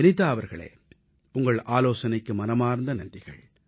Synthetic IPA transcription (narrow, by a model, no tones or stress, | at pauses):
nɪt̪ːaːɐʋɐɾɣɐɭḛː | ʊŋɡɐɭaːloːsɐnɐɪkːɯmɐnɐmaːɾnd̪ɐnɐndrɪɣɐ̰ɭ